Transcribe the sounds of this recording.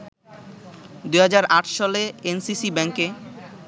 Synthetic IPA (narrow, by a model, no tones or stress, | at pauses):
d̪ujɦad͡ʑaɾaʈʰʃɔleensisibɛŋke